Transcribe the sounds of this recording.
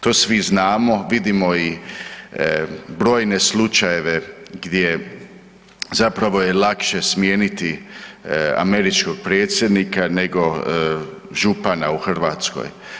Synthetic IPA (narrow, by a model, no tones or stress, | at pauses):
t̪o̞ːsʋiznaːmo̞ʋid̪imo̞i | bɾo̞ːjne̞slut͡ʃaje̞ʋe̞ɡd̪je | zapɾaʋo̞je̞lakʃe̞smje̞ːnit̪i | a̰me̞ɾit͡ʃko̞ɡ̚pɾe̞ːt̪sʲje̞d̪nikane̞ɡo̞ | ʒupanauxr̩ʋaːt̪sko̰j